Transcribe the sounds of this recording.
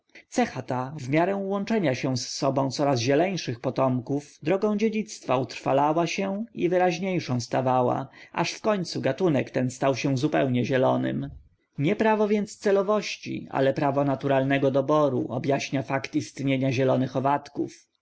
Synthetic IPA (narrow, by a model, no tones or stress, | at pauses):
t̪sɛxat̪avmʲjaɾɛw̃wɔnt͡ʂɛɲaɕɛ̃sːɔbɔ̃w̃t̪sɔɾazʑɛlɛjʂɘxpɔt̪ɔmkuvd̪ɾɔɡɔ̃w̃d͡ʑed͡ʑit̪st̪faut̪ɾfalawaɕɛḭvɘɾaʑɲejʂɔ̃w̃st̪avawa̰ʔa̰ʂfkɔɲʲt̪suɡat̪unɛkt̪ɛnst̪awɕɛ̃zupɛwɲɛʑɛlɔnɘ̰m | ɲɛpɾavɔvʲjɛnt̪st̪sɛlɔvɔɕt͡ɕḭa̰lɛpɾavɔnat̪uɾalnɛɡɔd̪ɔbɔɾṵʔɔbʲjaɕɲafakt̪ist̪ɲeɲaʑɛlɔnɘxɔvat̪kuf